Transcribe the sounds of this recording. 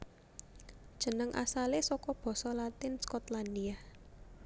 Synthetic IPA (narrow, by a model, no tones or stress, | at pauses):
d̥ʒ̥ə̤nəŋʔa̰salesɔkɔb̥ɔ̤sɔlat̪ɪnskɔt̪land̪ia